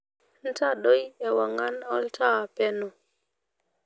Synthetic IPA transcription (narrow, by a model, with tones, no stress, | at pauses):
n̩˦ta˦ɗo˦jɛ˨wa˨ŋa˦nɔ˦ltʰa˦˨pɛ˦nɔ˨